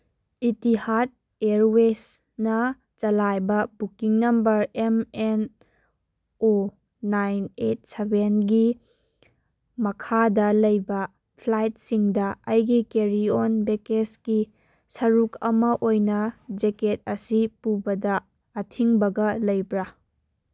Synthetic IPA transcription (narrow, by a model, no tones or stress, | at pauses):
itihat̚ | eɾwes | nɐ | t͡ʃɐlajbɐbukiŋnɐmbɐɾemen | o | najnet̚sebenɡi | mɐkʰadɐlɐjbɐ | pʰlajt̚siŋdɐɐjɡikeɾionbekeski | sɐɾukʰɐ̰mɐʔojnɐd͡ʒeket̚ɐsipubɐdɐː | tʰiŋbɐɡɐlɐjbɾa